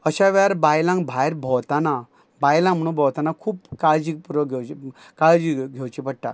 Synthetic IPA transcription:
əɕaʋɛaɾbajlãŋɡbʱajɾbʱɔwt̪ana | bajlãŋm̤əɽ̃ũːnbʱɔwt̪anakʰuːpkaɭd͡ʑik̚puɾəɡʱewt͡ɕ | kaɭd͡ʑiɡʱewt͡ɕipəɽʈa̰

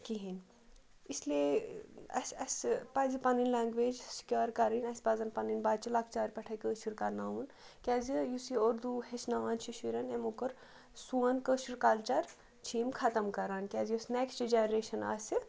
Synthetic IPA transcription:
kiɦin | islie | ɐ̰sɐspɐzipɐninlaːŋɡʋeːd͡ʒsi̥kʲjaːɾkɐɾinɐsʲpazɐnpɐninbaːt͡ʃilakʰt͡ʃaːɾpɐʈʰɐkəːʃiɾkaɾnaːun | kʲaːzijusioɾd̪uhesnaʋaːnt͡ʃʰiʃiɾɐnemokɐɾ | suɐnkəːʃiɾkaːlt͡ʃɐɾ | t͡ʃʰiːmkʰɐt̪ɐmkɐɾaːnkʲaːzijɐsneksʈd͡ʒenɾeːʃɐna̰ːsɨ

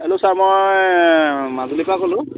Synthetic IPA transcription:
ɛlosaɹmoj | mazulikakɔlʊ̃

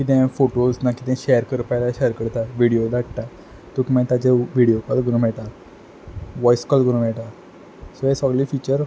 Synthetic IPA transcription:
kit̪̬ɛ̃foʈosnakit̪ɛ̃ɕɛjəɾkəɾpajlaɕɛjəɾkəɾt̪aʋiɽijod̪aʈt̪a | t̪ukimət̪ad͡ʑeʋiɽijokɔlɡəɾũm̤ɛɭʈ̪a | ʋɔjskɔlɡəɾũnm̤ɛɭʈa | səesəɡlifit͡ɕəɾ

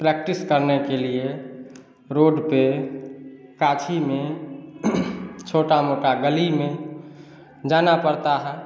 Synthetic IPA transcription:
pɾɛk̚ʈiskəɾnekelie | ɾoːɖpe | kat͡ʃʰimẽ | t͡ʃʰoʈamoʈaɡəlimẽ | d͡ʒaːnapəɾt̪aɦɛ

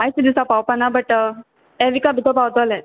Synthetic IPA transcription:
ajsid̪isapawpanabəʈ | ɛʋikabʱit̪ʰopawt̪olɛ

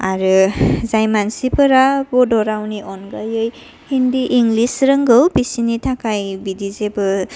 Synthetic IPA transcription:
aɾɯzajmansipʰɯɾabɔdɔɾawniʔɔnɡajɯj | hindiʔiŋɡlisɾɯŋɡɯwbisinitʰakajbidizebɯ

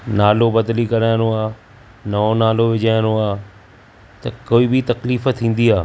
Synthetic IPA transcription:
naːlobɐd̪likɐɾaːɪñoaː | nɐonaːloʋɪd͡ʑaːjnoaː | t̪ɐkoːibɪt̪ɐkliːfət̪ʰːĩːn̆d̪iaː

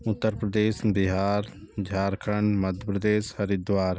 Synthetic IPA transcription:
ʊt̪ːəɾpɾəd̪eːsbɪɦaːɾ | d͡ʒʱaːɾkʰəɳmɐd̪ʱjəpɾəd̪eːshɐɾid̪ʋaːɾ

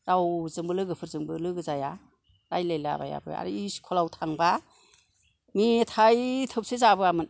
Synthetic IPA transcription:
zawzɯŋbɯlɯɡɯpʰɯɾzɯŋbɯlɯɡɯzaja | ɾajlajla̰ba̰ja̰bɯ̰a̰ɾiiskʰɔlawtʰaŋba | mitʰajtʰɯp̚sezabɯamɯn

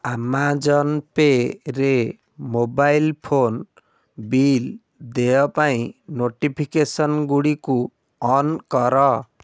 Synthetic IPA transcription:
amad͡ʒɔnpeɾe | mobajlpʰon | bil | d̪ejɔpaĩnoʈipʰikesɔnɡuɽiku | ɔnkɔɾɔ

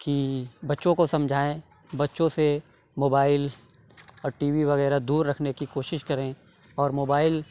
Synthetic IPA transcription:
kibɐtːʃõkosɐ̃md͡ʒʱaːẽ | bɐtːʃõse | moːbaːɪl | ɔːɾʈiːʋiʋɐɣɛːɾad̪uːɾːɐkʰnekikoːʃɪʃkɐɾẽ | ɔːɾmoːbaːɪl

